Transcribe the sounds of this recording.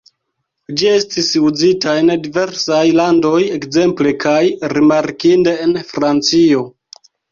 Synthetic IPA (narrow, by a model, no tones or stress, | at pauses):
d͡ʒie̞stisud͡zitaendive̞ɾsajlando̞je̞kze̞mple̞kʰajɾimaɾkinde̞ːnfɾant͡sio̞